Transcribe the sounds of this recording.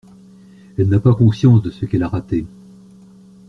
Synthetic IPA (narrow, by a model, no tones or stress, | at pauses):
ɛlnapakɔ̃sjɑ̃sd̪əsəkɛlaʁat̪e